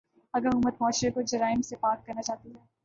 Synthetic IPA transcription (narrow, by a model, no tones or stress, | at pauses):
ɐɡəɾʊmət̪̚mɔːʃɾekod͡ʒɐɾaːɪmsepaːkːɐɾnat͡ʃaːt̪iɦɛː